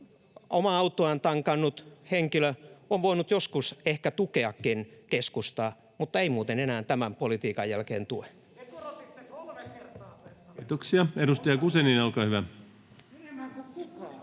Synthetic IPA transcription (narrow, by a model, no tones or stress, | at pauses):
omɑɑut̪ːoɑnt̪ɑŋkɑnːut̪heŋkiløoʋʋoinut̪joskusehkæt̪ukeɑkːinkeskust̪ɑː | mut̪ːɑeimuːt̪enenæːnt̪æmæmpolit̪iːkɑjjælkḛːnt̪ue | t̪oksiɑedust̪ɑjɑkuseninɑlkɑːhyʋæ